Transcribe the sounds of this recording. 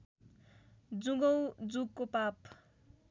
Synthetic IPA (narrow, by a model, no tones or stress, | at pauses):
d͡zuɡʌwd͡zukːopap